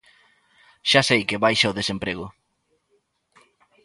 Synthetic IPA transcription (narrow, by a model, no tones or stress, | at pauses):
ʃasejkɪβajʃaoðesempɾeɣʊ